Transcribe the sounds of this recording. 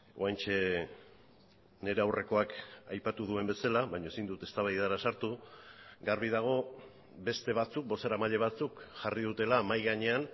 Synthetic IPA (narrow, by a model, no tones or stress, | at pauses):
o̰ajnt͡ʃe̞ | ne̞ɾe̞awre̞ko̞akajpat̪uð̞ue̞mbe̞salaβajɲoesind̪ut̪e̞st̪aβajaɾasaɾt̪u | ɡaɾβ̞iðaɣ̞o̞ | be̞st̪e̞β̞at͡suk̚bo̞seɾamaʎe̞β̞at͡sukʝariðut̪e̞lamajɣaɲe̞an